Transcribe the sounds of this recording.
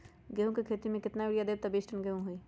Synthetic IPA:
ɡeɦõkikʰeːt̪imẽkɪt̪naʋɪɽijad̪eːb̚t̪ɐbiːsʈənɡeɦũɦʊiː

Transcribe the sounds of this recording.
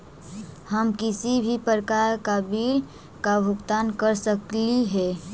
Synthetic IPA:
həmkɪsibʱipəɾəkaːɾkabiːl | kabʱʊkt̪aːnkəɾsəkliɦɛː

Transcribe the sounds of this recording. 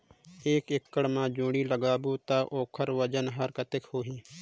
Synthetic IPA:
eːkɪkːəɽmãːd͡ʒũːɽiːləɡaːbuːt̪aːʔoːkʰəɾʋəd͡ʒənɦəɾkət̪ɪkhoːɦiː

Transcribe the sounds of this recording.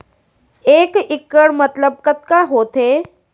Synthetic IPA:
ekikːəɽmət̪ləb̚kət̪̚kaɦot̪e

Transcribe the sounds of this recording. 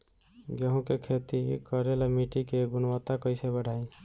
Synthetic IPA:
ɡjəɦũkekʰet̪ikəɾelamiʈikeɡunwət̪ːakəjsebəɽ̤ʱaĩ

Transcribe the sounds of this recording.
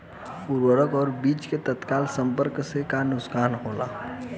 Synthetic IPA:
puɾwəɾəkɔːɾbiːt͡ʃket̪ət̪kaːlsə̃mpəɾksekanʊskaːnɦoːla̰ː

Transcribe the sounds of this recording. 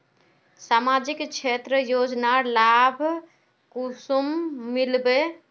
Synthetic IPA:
saːmad͡ʒikt͡ʃʰeːt̪ɾəjoːd͡ʒnalabʱ | kusumːilbe

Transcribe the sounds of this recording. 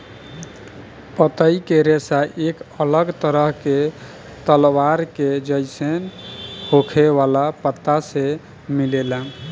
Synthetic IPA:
pət̪əikeɾesaʔekələɡt̪əɾəɦke | t̪əlwaɾked͡ʒəɪsenhokʰeʋalapət̪ːase | milelən

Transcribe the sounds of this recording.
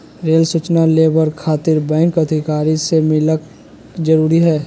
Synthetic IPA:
ɾeːlsuːt͡ʃnaleːbəɾkʰaːt̪ɪɾbɛ̃ːŋkəd̪ʱɪkaːɾisemɪlək | d͡ʒəɾuːɾiɦɛː

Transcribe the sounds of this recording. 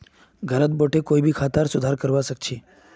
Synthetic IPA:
ɡʱəɾət̪̚boʈʰekoːibʱikʰaːt̪əɾsʊd̪ʱaɾkəɾʋasək̚t͡ʃʰiː

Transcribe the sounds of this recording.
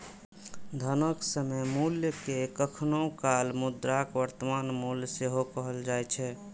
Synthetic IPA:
d̪ʱənəksəmejmuljəkekəkʰnokalmud̪ɾakʋəɾt̪əmanmulseɦokəɦəld͡ʒajt͡ʃʰɛ

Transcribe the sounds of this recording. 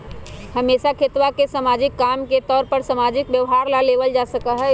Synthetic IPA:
həmesakʰet̪ʋakesamad͡ʒikːamket̪ɔːɾpəɾsamad͡ʒikbjəʋɦaɾlaleʋəld͡ʒasəkəɦɛ

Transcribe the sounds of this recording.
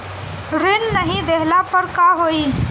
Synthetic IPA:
ɾɪnnəɦĩd̪eɦlapəɾkaɦoːiː

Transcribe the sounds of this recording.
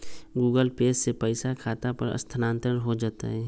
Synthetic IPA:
ɡuːɡəlpeːssepəɪsakʰaːt̪apəɾə̰st̪ʰənãːnt̪ɾəɾɦod͡ʒaːt̪a̰ɦɛː

